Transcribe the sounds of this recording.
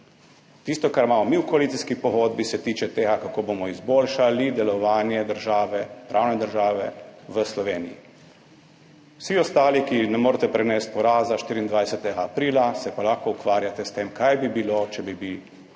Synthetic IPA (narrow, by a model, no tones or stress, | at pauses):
t̪ist̪ɔkaɾmaːmɔmiwkɔalit̪siskipɔɣoːd̪̚bisɛt̪iːt͡ʃɛt̪eːɡakakoːbomɔizboːlʃalid̪ɛlɔʋaːnjɛd̪əɾʒaːʋɛpɾʔaːwnɛd̪əɾʒaːʋɛ̰ʋəslɔʋeːnḭjḭ | wsiɔst̪aːlikinɛmoːɾt̪ɛpɾɛnɛːst̪̚pɔɾaːzaʃt̪iːɾiːnd̪ʋajsɛt̪ɛɡaːpɾiːlasɛpalaxkoukʋaːɾjat̪ɛst̪eːmkajbibilot͡ʃɛbibi